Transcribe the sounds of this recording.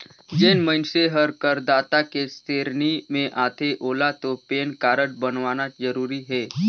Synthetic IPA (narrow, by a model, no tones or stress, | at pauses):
d͡ʒeːnmənseɦəɾkəɾd̪aːt̪akest̪eːɾnimẽʔaːt̪ʰeʔoːlat̪opeːnkaːɾəʈ̚bənʋaːnad͡ʒəɾuːɾiɦɛː